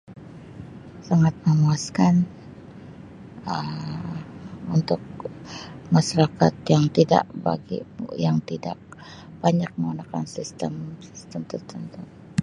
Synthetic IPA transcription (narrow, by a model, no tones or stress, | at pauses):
saŋat̪̚məmuaskan | əm | unt̪ʊk̚ | maʃaɾaka̰t̪jaŋt̪ida̰ʔba̰ɡḭjaŋt̪ida̰ʔ̚ | b̥aɲak̚məŋunakansist̪əmsi̥st̪əmt̪ərt̪ənt̪u